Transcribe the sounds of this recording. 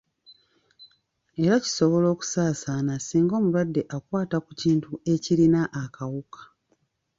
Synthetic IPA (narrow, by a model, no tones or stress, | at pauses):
e̞ɾaci̥so̞βo̞lo̞ːku̥saːsanasiːŋɡo̞ːmulwadːe̞ʔakwaːtakuciːntue̞ciɾinaʔːkʰawukḁ